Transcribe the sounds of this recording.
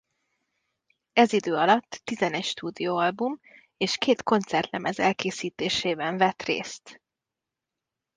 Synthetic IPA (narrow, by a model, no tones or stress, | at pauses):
ɛzid̪øːɒlɒt̪ːizɛnɛcʃt̪uːd̪ijoːɒlbum | eːʃkeːt̪ko̞nt̪sɛrt̪lɛmɛzɛ̰lkeːsiːt̪eːʃeːbɛɱvɛt̪rḛːst̪